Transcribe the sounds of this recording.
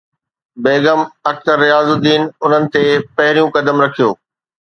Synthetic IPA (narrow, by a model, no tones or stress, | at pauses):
beːɡəmɐk̚t̪əɾːɪjaːzʊd̪ːiːnʊn̤ənɪ̆t̪epɐɦɪɾijũkɐd̪əmɾɐkʰijo̰ː